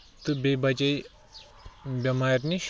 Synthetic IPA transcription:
t̪ɨbʲebɐt͡ʃɐj | bʲɐmaɾniʃ

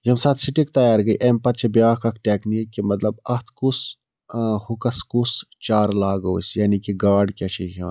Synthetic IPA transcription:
jɐmsaːt̪siʈikt̪ɐjaːɾɡɐḭʔeːmpɐt̪t͡ʃʰebjaːkɐkʰʈeːkniːkːimɐt̪lɐbɐht̪ʰkus | hukɐskus | t͡ʃaːɾlaːɡoːsjaːnikiɡaːɖkʲɐt͡ʃʰikɐ̰

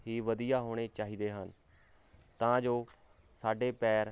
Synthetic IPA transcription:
ɦiːʋəd̪ijaːɦoːɽ̃eːt͡ʃaːɦiːd̪eːɦən | t̪ãːd͡ʒoː | saːɖeːpɛːɾ

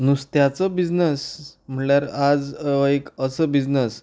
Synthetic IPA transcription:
nust̪jat͡səbid͡znəsm̤əɳɭjaɾad͡zekəsəbid͡znəs

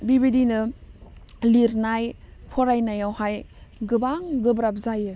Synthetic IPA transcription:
bibidinɯ | liɾnajpʰɔɾajnajawhajɡɯbaŋɡɯbɾap̚zajɯ

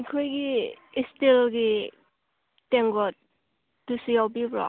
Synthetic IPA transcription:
kʰɔjɡiːstilɡi | teŋɡɔt̚ | dusijawbibɹɔ̰

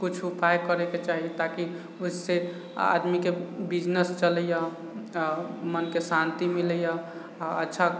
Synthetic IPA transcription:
kut͡ʃʰupʰajkəɾeket͡ʃaɦit̪aki | use | a̰d̪mikebid͡ʒnəst͡ʃələja | mənkesant̪imiləja | ə̰tːʃʰa

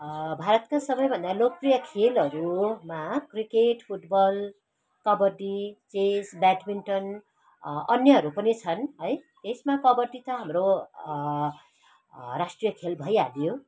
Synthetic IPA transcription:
bʱaɾʌt̪kasʌbʌjbʱʌnd̪alok̚prijʌkʰelɦʌɾumakrikeʈpʰuʈbʌl | kʌbʌrʈit͡sesbaʈminʈʌn | ʌnjʌɦʌɾupʌnit͡sʰʌnɦʌjt̪esmakʌbʌrʈit̪ʌɦamro | ɾasʈrijʌkʰelbʱʌjaljo

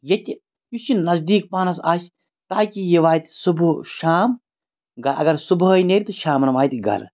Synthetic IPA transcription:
jɐt̪ʲ | jusinɐzd̪iːk̚paːnɐsaːsʲ | t̪aːkijeʋaːjt̪ʲsubʃaːm | ɡɐɾʔɐ̰ɡɐɾsubɦɐineːɾʲit̪uʃaːmnɐʋaːjt̪ʲɡɐ̰ɾ

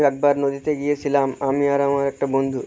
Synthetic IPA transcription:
ɐk̚baːɾnod̪ʱit̪eɡijesilaːmaːmiaːɾaːmʋaɾek̚ʈɐbond̪ʱu

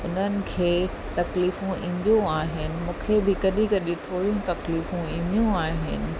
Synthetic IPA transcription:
ʊn̤ənɪ̆kʰeː | t̪ɐkliːfũʔḭ̃ːn̆d̪ũaːɦɪnɪ̆mũːkʰebɪkɐɗikɐɗĩt̪ʰoːɽijũt̪ɐkliːfũĩːnd̪ijũaːɦɪ̰nɪ̆

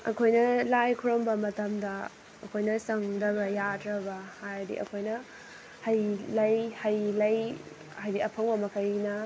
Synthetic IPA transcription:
ɐ̰kʰojnɐlajkʰuɾombɐmɐtɐmdɐ | ɐkʰojnɐsɐŋdɐbɐjadɾɐbɐhajdḭʔɐ̰kʰojnɐ | hɐjlɐjhɐjlɐj | hajbiʔɐpʰɐŋbɐmɐkʰɐjnɐ

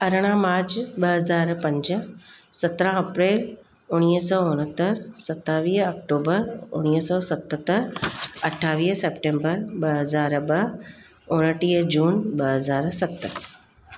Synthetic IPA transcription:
ɐɾəɽ̃ãmaːɾt͡ɕɓɐɦɐzaːɾpɐ̃ɲd͡ʑə̆sɐt̪ɾãɐpɾeːl | ʊɽ̃iːɦsɔːʊ̃ɽ̃ɦət̪əɾsɐt̪ːaːʋiːɦɐkʈoːbəɾʊ̰ɽ̃iəsɔːsɐt̪ət̪əɾɐʈʰaːʋiːɦseːpʈẽːmbəɾɓɐɦɐzaːɾɓɐɦ | ʊ̃ɽ̃əʈiːd͡ʑuːnɓɐɦɐzaːɾsɐt̪

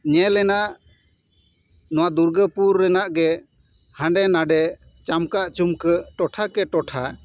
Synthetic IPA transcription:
ɲɛlɛnaʔ | nɔwad̪uɾɡəpuɾːɛnaʔɡɛ | hãɳɖɛnaɖɛ | t͡ʃamkaʔt͡ʃumkəʈɔʈʰakɛʈɔʈʰa

